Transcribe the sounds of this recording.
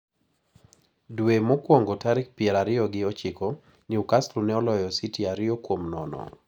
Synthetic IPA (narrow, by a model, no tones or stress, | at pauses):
dwemokwoŋɡotaɾɪk̚pɪɛɾaɾɪɔɡɪɔt͡ʃɪkɔ | niukaslunɛɔlɔjɔsitiaɾɪɔkwomnɔ̰nɔ̰